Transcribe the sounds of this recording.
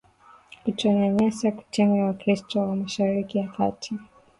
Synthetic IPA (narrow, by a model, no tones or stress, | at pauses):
kut͡ʃɔɲɛɲɛsaku̥tʰɛŋɡawakɾistɔwamaʃaɾikijaka̰tʰi